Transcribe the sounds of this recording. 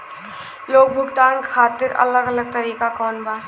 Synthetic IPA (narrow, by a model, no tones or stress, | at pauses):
loːk̚bʱʊɡt̪aːnkʰaːt̪ɪɾɐ̰ləɡələɡ̚t̪ɐɾiːkakɔːnbaː